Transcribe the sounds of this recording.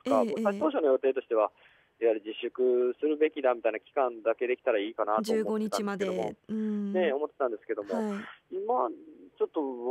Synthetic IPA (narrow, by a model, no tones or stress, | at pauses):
o̥kaosait̪o̞ːɕonojo̞t̪e̞ːt̪o̞ɕi̥t̪e̞βa | iβaɾʲid͡ʑiɕːɨkɯ̟sɨɾɯ̟be̞kʲid̪amʲit̪ainakʲi̥kãnd̪ake̞d̪e̞kʲi̥t̪aɾaiːkanad͡ʑɨːɡo̞ɲ̟it͡ɕimad̪eeoɯ̟̃ɴne̞o̞mo̞t̪ːe̞t̪ãnd̪e̞sɨ̥ke̞d̪o̞moaiimat͡ɕo̞t̪ːo̞